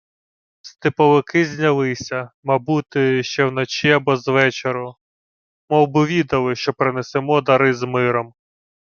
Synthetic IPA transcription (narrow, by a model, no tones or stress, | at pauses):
st̪ɪpɔʋɪkɪzʲnʲɐlˠɪsʲɐmɐbut̪ɪʃt͡ʃɛwnɔt͡ʃiɐbɔzʋɛt͡ʃeɾʊ | mɔbʊʋʲid̪ɐlˠɪʃt͡ʃɔpɾɪnesemɔd̪ɐɾɪzmɪɾɔm